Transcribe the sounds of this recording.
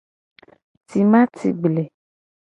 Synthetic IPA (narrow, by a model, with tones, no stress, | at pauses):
ti˨mã˦tʰḭ˨ɡ͡ble˨